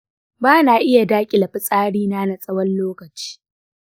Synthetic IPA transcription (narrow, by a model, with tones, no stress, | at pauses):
baː˦naː˨ʔɪ˦ja˨daː˦kʲʼɪ˨lɐ˨ɸɪ˦sʼaː˦ɽiː˦naː˦na˨sʼɐ˦wɐ˦nloː˦kɐ˨t͡ʃi̥ː˦